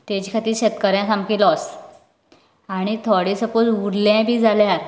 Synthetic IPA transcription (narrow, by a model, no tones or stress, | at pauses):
t̪at͡ɕikʰat̪iːɾɕet̪kəɾjãsamkilɔs | aɽ̃it̪ʰoɽisəpot͡suɽlãbʱiːd͡zaljaɾ